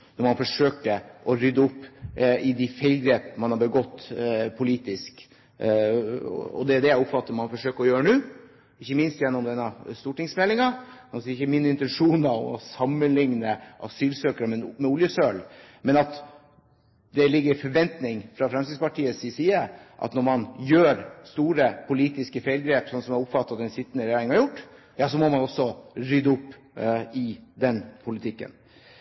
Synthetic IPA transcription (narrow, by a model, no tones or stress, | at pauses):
nɔɾmɑnfɔʂøːkəʔɔɾʏd̪ːəʊpːɪd̪ɪfɛɪlɡ̪ɾeːpmɑnhɑbəɡɔt̪ːpʰʊliːt̪ɪsk | ɔ̰d̪ɛd̪ɛjæɪʊpfɑt̪ːəɾmɑnfɔʂøːkəɾɔjøːɾənʉː | ɪçːəmɪnst̪jɛnːɔmd̪ɛnːəst̪uːʈɪŋsmɛlɪŋɑ | mnɔsɾɪçəmɪnːəɪnt̪ɛnʂuːnɑɔ̰mɔsɑmːənlɪŋnəʔɑ̰syːlsøːkəɾəmɛmɛʊljəsølmɛnɑt̪ | d̪ɛlɪɡːəɾfɔɾʋɛnt̪nɪŋfɾɑfɾɑmsiːspɑʈʰiːəsɪsiːəʔɑ̰t̪nɔɾmɑnjøːɾst̪uːɾəpʰʊliːt̪ɪskəfeɪlɡɾeːpsɔnːsɔmɛɾʊpfɑt̪ːɑt̪d̪ɛnsɪt̪ːənəɾɛjæːɾɪŋhɑɾjʊʈː | jɑːsɔmɔmɑnɔsːɔɾʏd̪əʊpː | ɪd̪ɛnpʰʊlɪt̪ʰɪkːə̰n